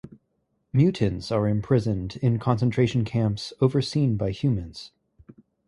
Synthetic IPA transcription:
mjʉʔn̩z̥ə˞ɨ̃mpʰɹ̥ɪzɨ̃ndɪ̃nkʰɑ̃nsə̃ntʰɹ̥eɪʃn̩kʰæ̃mpsoʊvə˞sĩnbaɪhjʉmɨ̃nz̥

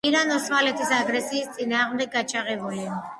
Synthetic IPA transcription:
iɾanɔsmalɛt̪ʰisaɡɾɛsiːst̪sʼinaːʁmd̪ɛɡ̚ːat͡ʃʰaʁɛbulia

